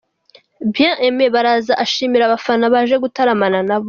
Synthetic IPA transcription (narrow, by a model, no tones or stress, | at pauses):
bjãʔemeβaɾaːzaʔaʃiːmiɾaβafanaβaʒe̞ɡutaɾamananaβo